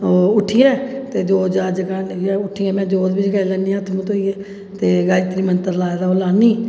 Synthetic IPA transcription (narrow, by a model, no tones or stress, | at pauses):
oːʊʈʰːɪjɛ̃ːt̪eːd͡ʒoːd͡ʒaːd͡ʒəkaːnjaʊʈʰːɪːãːmɛ̃ːd͡ʒoːd̪bɪd͡ʒkaːilɛːnijãːət̪ʰmũːt̪oːiːɛː | t̪eːɡaːlit̪ɾimənt̪əɾlaːed̪aːoːlaːniː